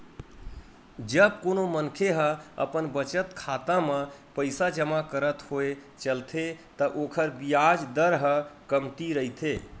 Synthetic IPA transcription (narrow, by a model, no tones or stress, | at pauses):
d͡ʒəb̚konomənkʰeɦə̃ə̰pənbət͡ʃət̪kʰat̪amẽpəɪsad͡ʒəmakəɾət̪hoe | t͡ʃəlt̪ʰet̪əʔokʰəɾbijad͡ʒd̪əɾɦə̃kəmt̪iɾəɦit̪ʰe